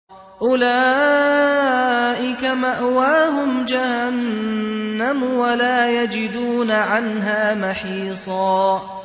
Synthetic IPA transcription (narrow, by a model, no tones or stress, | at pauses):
ʔʊlaː | ʔɪkamaʔwaːɦʊmd͡ʒahanː | amwalaːjad͡ʒɪd̪uːnaʕanɦaːmaħiːsˤɑː